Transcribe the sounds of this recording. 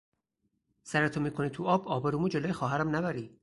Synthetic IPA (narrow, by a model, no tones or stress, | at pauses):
sæɾet̪ʰomiːkʰonit̪ʰuɒːbɒːbɒɾumuːd͡ʒeloːjexɒːɦæɾæmnæbæɾiː